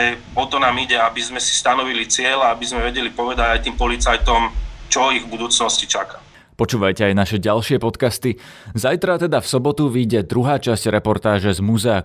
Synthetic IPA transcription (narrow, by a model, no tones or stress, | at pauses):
ɛ | ɔt̪ɔnaːmiɟɛabizmɛsi̥st̪anɔʋilit͡sɪɛlaabizmɛʋɛɟɛlipɔʋɛd̪aɟajt̪iːmpɔlit͡sajt̪ɔmt͡ʃɔiɣbud̪uːt͡snɔscit͡ʃaka | pɔt͡ʃuːʋajcɛajnaʃɛɟalʃɪɛpɔt̪kast̪i | zajt̪ɾat̪ɛd̪afsɔbɔt̪uʋiːɟɛd̪ɾuɦaːt͡ʃasɟ̥ɾɛpɔɾt̪aːʒɛzmuzɛa